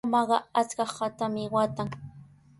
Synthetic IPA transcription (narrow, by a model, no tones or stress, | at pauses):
mɑɢɑ̰at͡skɑχːat̪amɪwat̪aŋ